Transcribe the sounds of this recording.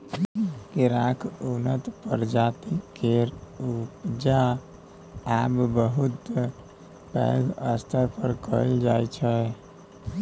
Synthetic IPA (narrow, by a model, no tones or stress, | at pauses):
keɾakʰonət̪pəɾd͡ʒat̪ikːeɾupd͡ʒa | abbəɦut̪ | pɛ̰ləst̪ʰəɾpəɾkəld͡ʒajt͡ʃʰɛ